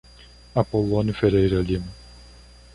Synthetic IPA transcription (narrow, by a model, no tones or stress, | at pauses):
apolõnufeɾejɾɐlimɐ